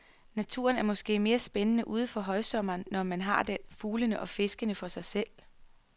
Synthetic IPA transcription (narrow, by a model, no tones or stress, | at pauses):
næt͡sʰṵɐnæɐmɒ̽sɡ̥e̝̰ːme̝ːɐsb̥enənəʔuːð̞̩ˠfɒ̽ɦɒ̽ɪsɒ̽m̰ɐːnːɒmænɦɑ̈d̥enfuːlənəʔɒ̽fe̝sɡ̥ənəfɒ̽sɑ̈ɪsel̰